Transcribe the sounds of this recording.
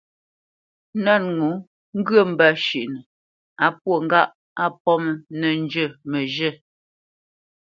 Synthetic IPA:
na˦˨nŋu˨˦ | ŋ̩˦ɡɰə˦˨m̩˦ba˦˨ʃi˨ʔnə˨ | a˨pwo˦˨ŋ̩˦ɡa˦ʔ | a˦pɔ˦mə˨nə˨n˦d͡ʒə˦˨mə˨ʒə˦˨

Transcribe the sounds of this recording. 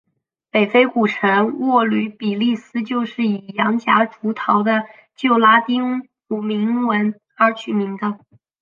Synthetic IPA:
pe˨˩ɪfe˥ɪku˨˩ʈ͡ʂʰə˧˥ŋwɔ˥˩ly˧˥pi˨˩li˥˩sɹ̩˥t͡ɕjo˥˧ʊʂɻ̩˥˩i˨˩jɑ˧˥ŋɕja̰˧˥ʈ͡ʂu˧˥t̪ʰɑ˧˥ʊd̪ə˧ | t͡ɕjo˥˩ʊla˥t̪i˥ŋ | u˨˩mi˧˥ŋwə˧˥n | ə˞˧˥t͡ɕʰy˨˩mi˧˥ŋd̪ə˧

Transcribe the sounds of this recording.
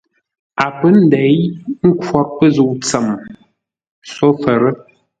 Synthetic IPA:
a˨pə˦n̩˦dɛ˨˦jŋ̩˦kwɔ˦˨ɾ̚pə˦zu˨ʔt͡sə˨m | so˦fə˨ɾə˦

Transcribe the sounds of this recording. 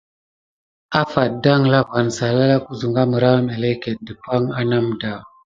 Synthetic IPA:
a˦fa˨t̚da˦ŋla˦va˨nsa˨la˦la˦ku˦zu˨ŋɡa˦mə˨ɾa˦me˨le˦ke˨t̚də˨pa˦ŋa˦na˦mda˨

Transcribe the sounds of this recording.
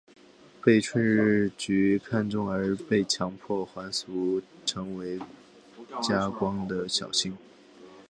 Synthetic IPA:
pe˥˩ɪʈ͡ʂʰwə˥˧nɻ̩˥˩˥t͡ɕy˧˥kʰa˥˧nʈ͡ʂʊ˥˩ŋə˞˧˥pe˥˩ɪt͡ɕʰjɑ˧˥ŋpʰwɔ˥˩xwa˧˥nsu˧˥ʈ͡ʂʰɤ˧˥ŋwe˧˥ɪ | t͡ɕja˥kwɑ˥ŋd̪ə˨ɕjɑ˨˩ʊɕi˥˩ŋ

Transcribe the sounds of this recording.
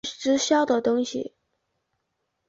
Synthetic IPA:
ʈ͡ʂɻ̩˥ɕjɑ˥ʊd̪ə˨˩t̪ʊ˥ŋɕḭ˨˩

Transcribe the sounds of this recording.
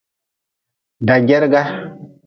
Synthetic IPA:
da˨ɡɛ˦ɾɡa˦

